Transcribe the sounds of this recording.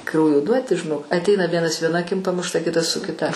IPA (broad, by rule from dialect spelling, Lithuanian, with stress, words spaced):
ˈkrɐʊjoː ˈduɔtʲɪ ʒʲɪˈnoːk ɐtʲˈɛɪnɐ ˈʋʲiɛnɐs ʋʲiɛˈnɐ ɐˈkʲɪm pɐmʊʃˈtɐ ˈkʲɪtɐs sʊ kʲɪˈtɐ